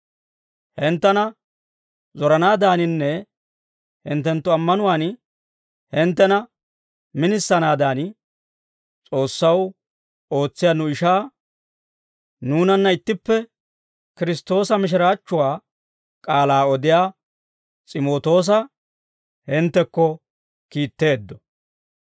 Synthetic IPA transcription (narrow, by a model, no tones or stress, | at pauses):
hɪnt̪ːɐnɐ | zɔɾɐnaːd̪aːnɪnːɛ | hɪnt̪ːɛnt̪ːʊɐmːɐnʊwaːn | hɪnt̪ːɛnɐ | mɪnɪsːɐnaːd̪aːn | t͡sʼo̞ːsːɐw | o̞ːt͡sːɪjaːnʊɪʃaː | nuːnɐnːɐɪt̪ːɪpːɛ | kɪɾɪst̪o̞ːsɐmɪʃ̬ɪɾaːt͡ʃːʊwaː | kʼaːlaːɔd̪ɪjaː | t͡sʼɪmo̞ːt̪o̞ːs̬ɐ | hɪnt̪ːɛkːɔ | kiːt̪ːe̞ːd̪ːɔ̥